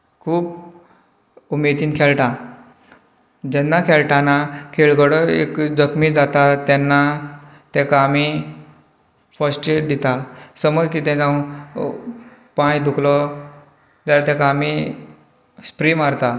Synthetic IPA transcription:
kʰuːp | umed̪iːnkʰɛɭʈa | d͡ʑɛnːakʰɛlʈãnakʰeɭɡəɽɔḛkd͡zəkmid͡zat̪at̪ɛnːa | t̪ɛkaːmi | fəsʈed̪it̪asəməd͡zkit̪ɛ̃t͡sa | pãjd̪ʱuklɔ | d͡ʑalat̪ɛkaːmi | spɾimaɾt̪a

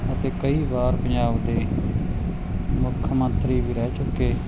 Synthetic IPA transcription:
ət̪eːkəiːbaːɾpəɲd͡ʒaːbd̪eː | mʊkʰːəmənt̪ɾiːbiːɾɛːt͡ʃʊkːeː

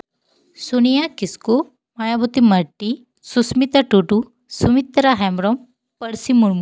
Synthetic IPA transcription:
sunijakisku | majabut̪imɐɾʈːi | susmit̪ɐʈuʈu | sumit̪ɾaɦɛmɾɔm | pɐɾsimuɳmu

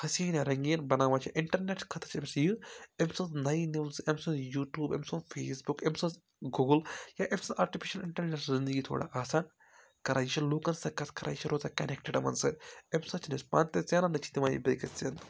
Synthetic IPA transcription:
hɐsiɐnjaɾɐŋɡiːɐnbɐnaːʋaːt͡ʃʰiʔɪɳʈɐɾneʈkʰɐt̪ʰɐ̥t͡ʃʰemsɨjɨemsɐnznɐinuʋsɨʔemsɐnjuːʈjuːbḛmsɐnfʰeːsbukemsɐ̃ | ɡuːɡljaːʔemsɐnʔaːɾʈipʰiʃɐlɪɳʈɐɾneʈzind̪əɡiːt̪ʰo̰ːɽa̰ʔaːsaːn | kɐɾaːjit͡ʃʰiloːkɐnsɐkɐskɐɾa̰ːjit͡ʃʰiɾoːzaːkɐnekʈeɖɐmɐ̰nsɨemsɐt͡ʃʰnɐspaːnt̪ɐt͡sʲjaːnɐnɨt͡ʃʰi̥t̪imaːjḭbeːkɐt͡sɐn

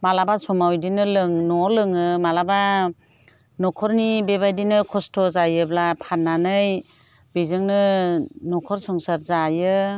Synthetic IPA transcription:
malabasɔmawjdinɯlɯŋnɔlɯŋɯmalaba | nɔkʰɔɾnibebajdinɯkʰɔstʰɔzajɯblapʰanːanɯj | bezɯŋnɯnɔkʰɔɾsɔŋsaɾzajɯ

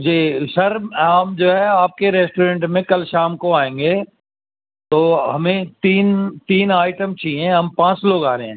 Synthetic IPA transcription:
d͡ʒeːʃɐɾɦɐmd͡ʒoːɦɛaːp̚keɾɛːsʈoːɾẽːɳʈmẽkɐlʃaːmkoaːẽːŋ̆ɡeː | t̪oːɦɐmẽt̪iːnt̪iːnaːɪʈəmt͡ʃiɛ̃ɦɐmpãːt͡ʃloːɡaːɾeɦɛ̃ː

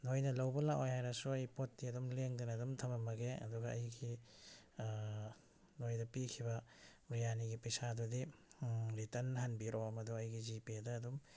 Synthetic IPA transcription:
nojnɐlɐwbɐlakojhajɾɐsuɐjpot̚ːiɐdumleŋdinɐdumtʰɐmɐmɐɡeɐ̰duɡɐɐjɡi | nojdɐpikʰibɐ | ɾijaniɡipɐjsadudi | ɾitɐnɦanbiɾoɐmɐduɐjɡizipedɐːdum

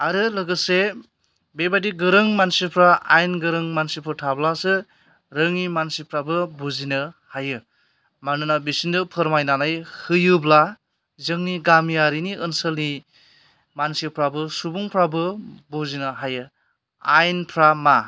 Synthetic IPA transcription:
aɾɯlɯɡɯse | bebadiɡɯɾɯŋmansipʰɾaajnɡɯɾɯŋmansipʰɯɾtʰablasɯ | ɾɯŋnimansipʰɾabɯbuzinɯhajɯ | manɯnabisindɯpʰɯɾmajnanajhɯjɯbla | zɯŋniɡamijaɾiniɯnsəlni | mansipʰɾabɯsubuŋpʰɾabɯbozinɯɦajɯ | ajnpʰɾama

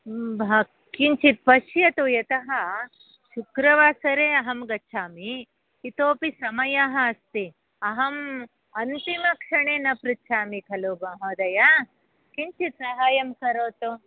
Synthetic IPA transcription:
bʱɐ | kiɲt͡ʃit̪̚pɐʃjɐt̪ujɐt̪ɐɦɐ | ʃukɾɐʋaːsɐɾeːɐɦɐmɡɐːʃʰaːmiː | t̪oːpisɐmɐjɐɦɐːst̪i | ɐɦɐm | ɐnt̪imɐkʂɐɳeːnɐpɾutːʃʰaːmikʰɐloːbɐɦoːd̪ɐja | kiɲt͡ʃit̪sɐɦaːjɐmkɐɾoːt̪u

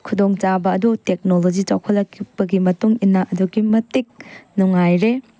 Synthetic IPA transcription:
kʰudoŋt͡ʃabɐːdutek̚nolod͡ʒit͡ʃawkʰɐlːɐkʰːipɐɡimɐtuŋinːaʔɐduɡimɐtik̚nuŋajɾe

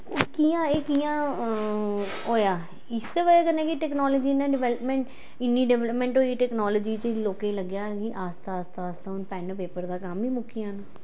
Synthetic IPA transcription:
kiːãːeːkiːãː | ɦoːjaː | ɪseʋəeːkənẽːkiʈɛːknɔːloːd͡ʒiːnãːɖɪʋɛːləpmɛ̃ːɳʈ | ɪnːiːɖɛʋɛːləpmɛ̃ːɳʈɦoːiːʈɛːknɔːloːd͡ʒiːt͡ʃloːkeːləɡjaːkiʔaːst̪aːst̪aːst̪aːʊnpɛːnpeːpəɾd̪aːkəmiːmʊkʰːɪjãːna

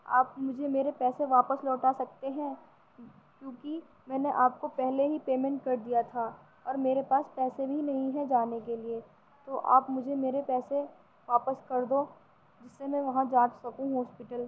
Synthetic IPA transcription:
a̰ːpmʊd͡ʒʱemeːɾepɛːseʋaːpəslɔːʈasɐk̚t̪eɦɛ̃ | kjõːki | mɛ̃ːneʔaːp̚kopɛɦleɦipeːmɛ̃ɳʈ̚kɐɾd̪ijat̪ʰa | ɔːɾmeːɾepaːspɛːsebʱinɐɦĩɦɛ̃d͡ʒaːnekelie | t̪oʔa̰ːpmʊd͡ʒʱemeːɾepɛːse | ʋaːpəskɐɾd̪o | d͡ʒɪsːemɛ̃ʋɐɦãd͡ʒaːd͡ʒsɐkũɦɔːspɪʈəl

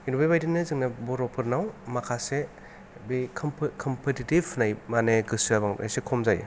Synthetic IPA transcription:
inubejbajdinɯzɯŋnabɔɾɔpʰɯɾnawmakʰase | bikʰmpkʰɔmpʰetitibnajmaneɡɯsabaŋʔa̰jsekʰomzajɯ̰

